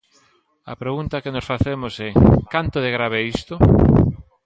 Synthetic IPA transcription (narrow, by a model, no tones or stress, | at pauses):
ɐ̰pɾeɣunt̪ɐkenosfaθemosɛkant̪oðeɣɾaβeist̪o